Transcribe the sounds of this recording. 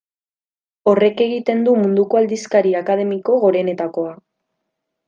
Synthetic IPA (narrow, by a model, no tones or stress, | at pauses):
o̞re̞ke̞ɣit̪e̞nd̪umund̪uko̞ald̪iskaɾiakaðe̞miko̞ɣo̞ɾe̞ne̞t̪ako̞a